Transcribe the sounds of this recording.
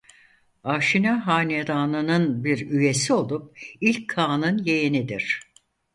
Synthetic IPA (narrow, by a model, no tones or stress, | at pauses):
aːʃinaɦaːned̪aːnɯnɯnbiɾyje̞sio̞lˠup̚ilʲkʰːaːnɯnjejinid̪iɾ̥